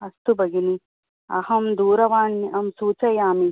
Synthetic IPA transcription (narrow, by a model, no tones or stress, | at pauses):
ɐst̪ubɐɡini | ɐ̰hɐmd̪uːɾɐʋaːɳːiʔɐmsuːt͡ʃɐjaːmi